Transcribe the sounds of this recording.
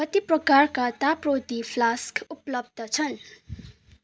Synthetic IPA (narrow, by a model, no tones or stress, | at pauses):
kʌt̪iprʌkarkat̪aprot̪ipʰlaskuplʌb̚d̪ʌt͡sʰʌn